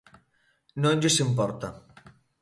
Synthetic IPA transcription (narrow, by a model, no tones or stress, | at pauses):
nõnʲd͡ʒisimpɔɾt̪a̰